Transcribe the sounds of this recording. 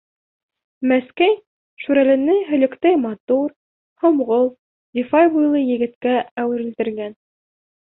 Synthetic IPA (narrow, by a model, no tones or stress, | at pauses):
mæskæj | ʃuɾælɘ̆nɘɦɵ̆lɘ̆kt̪æjmɑt̪uɾ | hŏmʁolˠ | d̪ʲifɑjbujlˠɤjɘ̆ɡɘ̆t̪kææwɘ̆ɾɘ̆lt̪ɘ̆ɾɡæn